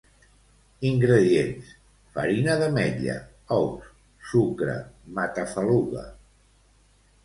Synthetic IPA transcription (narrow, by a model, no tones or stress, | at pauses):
iŋɡɾəðiens | fə̰ɾinaðəmɛʎə̰ | ɔws | sukɾə̰mat̪afəluɣa̰